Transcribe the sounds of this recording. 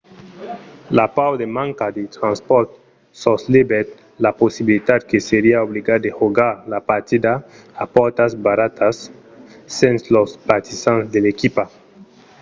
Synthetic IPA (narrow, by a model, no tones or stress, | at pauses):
lapawd̪emãŋkad̪et̪ɾãnspɔɾt̪ | soslibet̪ | laposibilit̪ad̪keseɾiaobliɡad̪exuɡaɾlapaɾt̪id̪aː | pɔɾt̪azbaɾat̪asː | enslospat̪isanzd̪elekipa